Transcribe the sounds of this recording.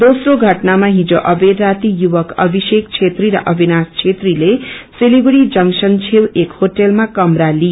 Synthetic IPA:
d̪osroɡʱʌʈnamaɦĩd͡zoʔʌbed̪rat̪ijuwʌkʌbʱisek̚t͡sʰet̪riɾʌ̰ʔʌbʱinast͡sʰet̪rileseliɡuɽid͡zʌŋsʌnt͡sʰewekhoʈelmakʌmrali

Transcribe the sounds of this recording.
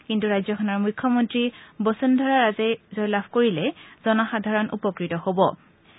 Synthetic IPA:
kintuɹajzɔkʰɔnɔɹmujkʰːɔmɔntɹibɔsɔndʱɔɹaɹazɛzɔjlabʱkoɹilɛz̥ɔnaxadʱaɹɔnʔṵpɔkɹitɔhobɔ

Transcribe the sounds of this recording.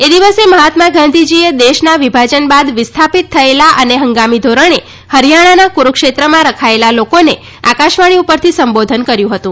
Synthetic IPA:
ed̪iʋəseməɦat̪mãɡãnd̪ʱid͡ʒied̪eʃnaʋibʱad͡ʒənbad̪ʋɪst̪ʰapit̪ʰːəelaʔəneɦəŋɡamid̪ʱoɾəɽe | həɾjaɽ̃anakuɾukʃet̪ɾəmãɾəkʰaelalokone | akaʃʋaɽ̃iupəɾt̪ʰisəmbod̪ʱənkəɾjũɦət̪ũ

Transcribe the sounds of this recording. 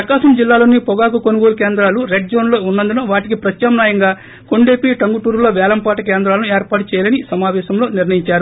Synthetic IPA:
ɐkaːʃɐmd͡ʒilːaːloːnipɔɡaːk̬ukonuɡoːlkeːnd̪ɾaːluɾeɖ̚d͡ʒoːnlo̞ːunːɐnd̪unɐʋaːʈik̬ipɾɐt̪jaːmnaːjɐŋɡaː | ko̞ɳɖeːpiʈɐŋɡuʈuːɾloːʋɛːlɐmpaːʈɐkeːnd̪ɾaːlɐnueːɾpaːʈut͡ʃɛːjalɐnisɐmaːʋɛːʃɐmlo̞ːniɾnɳɐjiɲt͡ʃaːɾu

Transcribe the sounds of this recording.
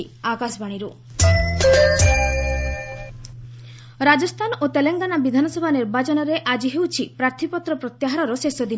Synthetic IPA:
i | akasbaɽ̃iɾu | ɾad͡ʒɔst̪ʰanot̪eleŋɡanabid̪ʱanɔsɔbʱaniɾbat͡ʃɔnɔɾeʔad͡ʒiɦewt͡ʃʰipɾaɾt̪ʰipɔt̪ɾɔpɾɔt̪jaɦaɾɔɾɔsesɔd̪i

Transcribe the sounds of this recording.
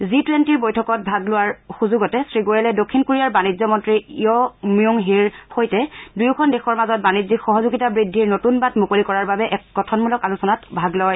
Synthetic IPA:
zitwentiɹbojtʰɔkɔt̚bʱaɡlʊwaɹxuzuɡɔtɛsɹiɡoɹɛlɛdokʰːinkoɹijaɹbanizɔmɔntɹiiɔmiuŋɦiɹxojtɛdujkʰɔndexɔɹmazɔt̚banizixɔɦɔzuɡitabɹidʱːiɹnotunbatmukolikɔɹaɹbabɛʔɛkːɔtʰɔnmulɔkalusɔnatbʱaɡlɔj

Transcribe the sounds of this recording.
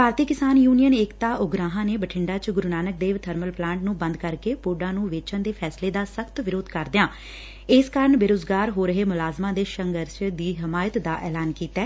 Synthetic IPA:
bʱaːɾt̪iːkɪsaːnjuːnijəneːkt̪aːʔʊɡɾaːɦãːneːbəʈʰɪ̃ɳɖaːt͡ʃɡʊɾunaːnək̚d̪eːʋt̪ʰəɾməlplãːɳʈnũːbə̃nd̪kəɾkeːpoːɖãːnũːʋeːt͡ʃənd̪eːpʰɛːsleːd̪aːsəkʰt̪ʋɪɾoːd̪kəɾd̪ɪjãː | ɪskaːɾəɳbeɾoːd͡ʒɡaːɾɦoːɾəɦeːmʊlaːzmãːd̪eːʃəŋɡəɾʃd̪iːɦɪmaːjət̪d̪aːʔɛːlaːnkiːt̪ɛː

